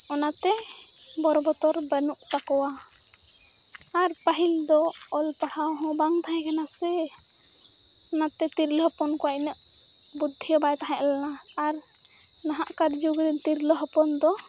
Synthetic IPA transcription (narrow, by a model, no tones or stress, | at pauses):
ɔnat̪ɛbɔɾɔbɔt̪ɔɾbənuʔt̪akɔwa | ɾpəɦild̪ɔ | ɔlpaɽawɦɔ̃baŋt̪ʰaɛ̃kanasɛ | ɔnat̪ɛt̪iɾləɦɔpɔnkɔwaʔnəʔbud̪ʱːijɔbajt̪aɦãʔlɛnaː | ɾ | naɦaʔkaɾd͡ʒuɡɾint̪iɾləɦɔpɔnd̪ɔ